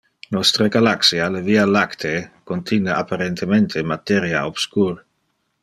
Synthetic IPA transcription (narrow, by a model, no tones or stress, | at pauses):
nɔst̪ɾeɡalaksialevialakt̪ʰekont̪ʰinaapaɾent̪ement̪ʰemat̪eɾja̰ob̥skuɾ